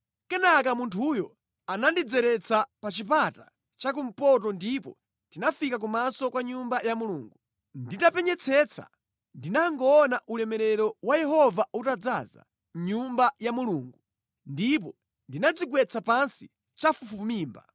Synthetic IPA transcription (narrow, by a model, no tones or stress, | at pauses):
kɛnakamuntʰujɔ | anandid͡zɛɾɛt͡sʰapat͡ʃip̬ata | t͡ʃak̬um̩pɔt̬ɔndipɔ | tinafikak̬umasɔkwaɲumbajamuluːŋɡu | nditapɛɲɛt͡sʰɛt͡sʰa̰ | ndinaŋɡɔːnaʔulɛmɛɾɛɾɔwajɛɦɔvautad͡za̰za̰ | ɲumbajamuluːŋɡu | ndip̬ɔ | ndinad͡ziɡwɛt͡sʰapansi | t͡ʃafufuumiːmba̰